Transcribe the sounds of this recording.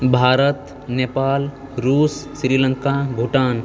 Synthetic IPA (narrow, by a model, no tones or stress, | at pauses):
bʱaːɾət̪ | nepaːl | ɾuːsːɾiːlə̃ŋkabʱuʈaːn